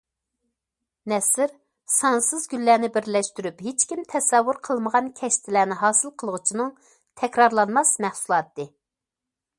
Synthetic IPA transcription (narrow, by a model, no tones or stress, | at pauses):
nɛsɪɾ | sɑnsɨzɡʲylːæːnɪbɪɾlɛʃt̪yɾypɦet͡ʃkʲimt̪ʰɛsɛwːuɾqʰəlˠməʁɑnkʲʰɛʃt̪ʰɪlæːnɪɦɑːsɨlˠqʰəlˠəʁʊt͡ʃʰinɨŋ | t̪ʰɛkʲɾɑɾlˠɑnmɑsmæhsulˠɑːt̪ːɨ